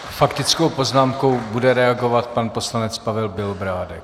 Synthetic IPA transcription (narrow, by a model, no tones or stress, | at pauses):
fakt̪ɪt͡skowpo̞znaːmko̞wbudɛɾɛaɡo̞vat̪̚panpo̞slanɛt͡spavɛlbɪlbɾaːdɛk